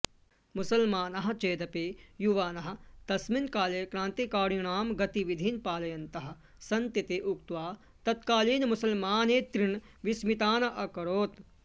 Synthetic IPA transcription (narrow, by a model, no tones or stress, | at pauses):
musɐlmaːnɐɦɐ̆t͡ʃeːd̪ɐpeːjuʋaːnɐɦɐ̆t̪ɐsminkaːleːkɾãːnt̪ikaːɾɳaːmɡɐt̪iʋid̪ʱiːnpaːlɐjɐnt̪ɐɦɐ̆ | sɐnt̪it̪eʔukt̪ʋaː | t̪ɐt̪kaːliːnmusɐlmaːneːt̪ɾin | ʋismit̪aːnɐʔɐkɐɾoːt̪